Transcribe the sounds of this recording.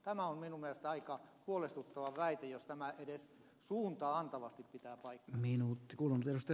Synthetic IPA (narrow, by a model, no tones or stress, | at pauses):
t̪æmæomminummieælest̪æɑikɑhuolest̪ut̪ːɑʋɑʋæit̪ejost̪æmæʔedes | suːnt̪ɑɑnt̪ɑʋɑst̪ippit̪æːpɑikːminuːt̪ːikuːlunːut̪eɾust̪e